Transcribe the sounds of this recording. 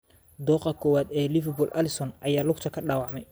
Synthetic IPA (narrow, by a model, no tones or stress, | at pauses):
d̪ɔːqɐkʰɔːwaːd̪ɛːlɪfɛbʊlʔɐlɪsɔnʔɐjaːlʊkt̪ʰɐkʰɐɖaːwɑʕmɛj